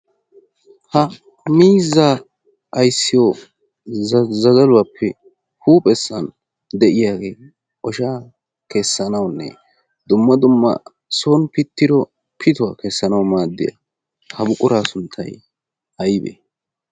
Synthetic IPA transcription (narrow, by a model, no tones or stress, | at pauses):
hɐ | miːzːaː | ɐjsːɪjo | zɐzɐlʊwaːpʰːɛ | huːpʼɛsːɐn | d̪ɛʔɪjaːɡe̞ː | ʔɔʃaː | kesːɐnɐwnːɛ̰ | d̪ʊmːɐd̪ʊmːɐ̰ | so̞ːnpɪt̪ːɪd̪ɔ | pʰɪt̪ʊwa̰ːkesːɐnɐwmaːd̪ːɪ̰jɐ̰ | hɐbʊkʼʊɾaːsʊnt̪ʰːɐj | ʔɐjbḛː